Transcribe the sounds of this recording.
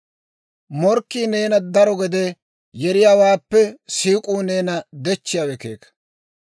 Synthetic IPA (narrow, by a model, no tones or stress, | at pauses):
mɔɾkːiːne̞ːnɐd̪ɐɾɔɡɛd̪ɛ | jɛɾɪjaːwaːpːɛsiːkʼuːne̞ːnɐd̪ɛt͡ʃːɪjawɛkḛːkɐ̥